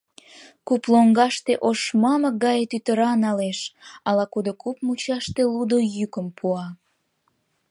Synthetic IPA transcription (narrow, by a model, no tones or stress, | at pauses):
kuploŋɡɑʃt̪eʔoʃmɑmək̚ɡɑjet̪yt̪əɾɑnɑleʃɑlɑkud̪okupmut͡ɕɑʃt̪elud̪ojykəmpʰuɑ